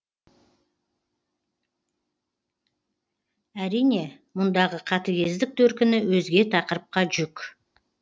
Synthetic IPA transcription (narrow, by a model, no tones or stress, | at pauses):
æɾijne̞ | mʊnd̪ɑʁəqʰɑt̪əɡʲe̞zd̪ɪk̚t̪ʰɵɾkʲɪnɪwɵzɡʲe̞t̪ʰɑqəɾəp̚qɑʒʏkʲ